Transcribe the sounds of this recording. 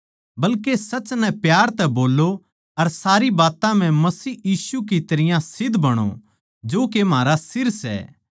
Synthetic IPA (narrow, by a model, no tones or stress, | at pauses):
bɐlkesɐt͡ʃnɛpjaːɾt̪ɛboːlːo | ɐɾsaːɾibaːt̪ãm̤ɛ̃mɐsiːjiːsuk̬it̪ɐɾɪjãsɪd̪ʱbɐɽ̃o̰ | d͡ʒoːkem̤aːɾasɪɾsɛ̰ː